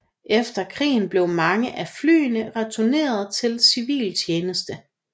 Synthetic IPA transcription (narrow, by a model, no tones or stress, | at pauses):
ʔefd̥ɐkʰʁḭːn̩b̥le̝ʊmɑ̈ŋəʔæfly̰ːnəʁɛt͡sʰune̝̰ːɐð̞ˠt͡sʰe̝lsiʋḭːlt͡ɕʰjeːnəsd̥ə